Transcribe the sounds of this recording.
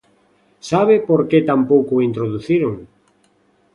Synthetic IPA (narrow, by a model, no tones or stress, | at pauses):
saβepoɾket̪ampowkoint̪ɾoðuθiɾoŋ